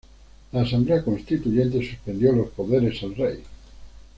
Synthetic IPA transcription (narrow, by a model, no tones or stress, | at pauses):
aːsãmbleakõnst̪it̪uʝẽnt̪esuspend̪jolospoðeɾesalrej